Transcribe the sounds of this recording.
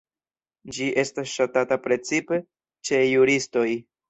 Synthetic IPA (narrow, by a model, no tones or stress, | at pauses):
d͡ʒiʔe̞stasʃatatapɾe̞t͡sipe̞ | t͡ʃe̞juɾisto̞j